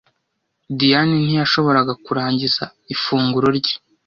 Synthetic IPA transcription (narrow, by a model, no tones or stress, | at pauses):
dijaninijaʃo̞βo̞ɾaɡakuɾaːɲɟiza̰ | ifuːŋɡuɾo̞ɾɟi̥